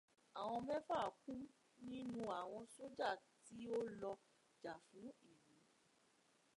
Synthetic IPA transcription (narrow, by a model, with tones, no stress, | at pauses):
a˨w̃ɔ̃˧mɛ̃˦fa˦˨kũ˦ | nĩ˦nũ˦a˨w̃ɔ̃˧so˦d͡ʒa˦˨ti˨˦o˦lɔ˧ | d͡ʒa˨fũ˨˦i˦˨nĩ˨˦